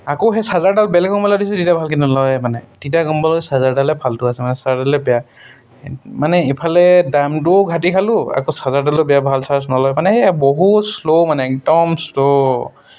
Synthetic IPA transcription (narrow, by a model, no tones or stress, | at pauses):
akɔɦɛsazaɹdalbɛlɛɡɔmbɔlɔdisɛtitabʱalkinnɔlɔjmanɛtitaɡɔmbɔlɔsazaɹdalɛbʱaltʊasɛmanɛsazadalɛbɛja | manɛipʰalɛdamtʊɡʱatikʰalʊa̰kosazaɹdalʊbɛjabʱalsasnɔlɔjmanɛɦɛbɔɦuslomanɛɛk̚dɔmslo